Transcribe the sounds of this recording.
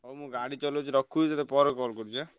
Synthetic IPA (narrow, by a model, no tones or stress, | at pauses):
omũɡaɽit͡ʃɔlot͡ʃʰuɾɔkʰːusat̪epɔɾɔkɔlkɔɾt͡ʃa